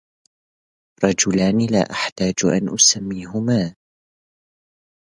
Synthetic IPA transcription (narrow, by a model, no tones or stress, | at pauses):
ɾˤɑd͡ʒʊlaːnila̰ːʔaħt̪aːd͡ʒʔa̰nʔʊsamːiːɦʊmaː